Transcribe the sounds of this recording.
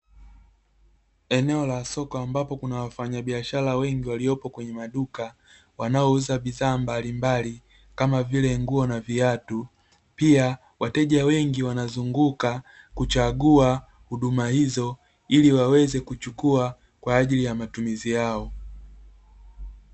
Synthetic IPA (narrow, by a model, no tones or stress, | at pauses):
ɛnɛɔlasɔkɔambapɔkunawafaɲaɓiaʃalawɛŋɡiwaliɔpɔkwɛɲɛmaɗuka | wanaɔuzaɓiðaːmbalimbali | kamavilɛŋɡuɔnaviatu | pia | watɛʄawɛŋɡiwanazuŋɡuka | kut͡ʃaɡua | huɗumahizɔ | iliwawɛzɛkut͡ʃukua | kwaːʄilijamatumizijaɔ